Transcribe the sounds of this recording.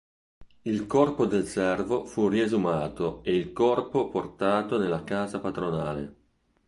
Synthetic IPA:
ilkɔrpod̪elsɛrvofuriezumaːt̪oeilkɔrpoport̪aːt̪onelːakaːzapat̪ɾonaːlḛ

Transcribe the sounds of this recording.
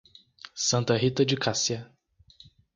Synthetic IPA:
sɐ̃nt̪ɐɦit̪ɐd͡ʒɪkasiɐ

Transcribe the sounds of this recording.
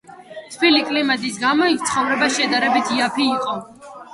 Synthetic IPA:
t̪ʰvilikʼlimad̪ʼisɡamɔik̚ʰt̪sʰχɔvɾɛbasʃɛd̪aɾɛbit̪ʰiapʰiːqʼɔ

